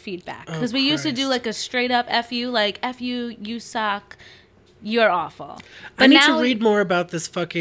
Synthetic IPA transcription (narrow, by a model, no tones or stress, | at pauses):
fid̚bæ̰kʰːʌzwijʉstɨdɨlaɪkɨstɹ̥eɪɾʌpɛfjʉlaɪkɛfjʉjɨsɑk | jə˞ɔfl̩ˠbaɪ̥ʌtninadtɨʊɹid̚mɔɹɨbaʊt̪̚ðɪsfʌkɪ̃